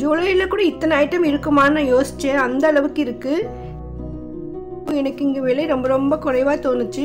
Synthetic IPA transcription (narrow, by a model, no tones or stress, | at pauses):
d͡ʒuːlɐjɪlɐkuːɽɐɪt̪ːɐnɐːɪʈːɐmɪɾɯkːɯmaːnãːjoːsɪ̥t͡ʃːɛ̃ɐnd̪ɐːɭɐʋɯkːɪɾɯkːɯ | pːõɛnɐkːɪŋɡɐʋɪɭɐɪɾɔmbɐɾɔmbɐkɔrɐɪʋaːt̪oːnɯt͡ʃːɯ